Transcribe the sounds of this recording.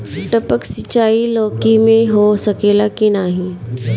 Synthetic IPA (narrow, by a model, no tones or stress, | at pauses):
ʈəpəksɪt͡ʃaːilɔːkimẽɦosɐkeːlakinaːɦĩː